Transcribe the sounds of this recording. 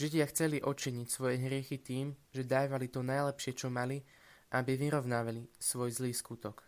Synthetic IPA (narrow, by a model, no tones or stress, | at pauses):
ʒiɟɪaxt͡sɛliʔɔt͡ʃiɲicsʋɔjɛɦɾɪɛxit̪iːmʒɛd̪aːʋalit̪ɔnajlɛpʃɪɛt͡ʃɔmali | ʔabiʋiɾɔʊnaːʋalisʋɔjzliːskut̪ɔk